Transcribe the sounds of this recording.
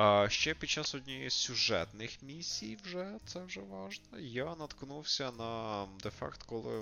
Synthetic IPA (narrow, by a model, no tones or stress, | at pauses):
ʃt͡ʃɛpʲid̪̚t͡ʃɑsɔd̪ʲnʲisʲʊʒɛ̰t̪nɪxmʲisʲːijwʒɛt̪sɛwʒɛʋɑʒnɔjanɐt̪knuwsʲɐnɐd̪ɛfɑ̰kt̪kɔlˠɪ̰